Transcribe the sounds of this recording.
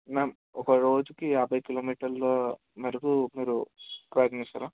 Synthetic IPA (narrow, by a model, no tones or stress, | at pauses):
meːm | ɔkɐɾo̞ːd͡ʒukijaːbʱɐjkiloːmiːʈɐɾloː | mɐɾikumiːɾupɾɐːɡ̪nist̪ɐlaː